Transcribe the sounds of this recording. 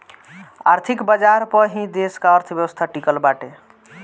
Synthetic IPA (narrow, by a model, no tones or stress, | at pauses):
a̰ɾt̪ʰikbəd͡ʒaɾpəɦĩd̪eskaəɾt̪ʰəbjəwəst̪ʰaʈikəlbaʈe